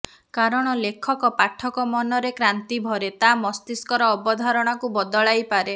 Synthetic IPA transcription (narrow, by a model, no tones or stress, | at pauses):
kaɾɔɽ̃ɔlekʰɔkɔpaʈʰːɔkɔmɔnɔɾekɾant̪ibʱɔɾet̪amɔst̪iskɔɾɔːbɔd̪ʱaɾɔɽ̃akubɔd̪ɔɭajpaɾe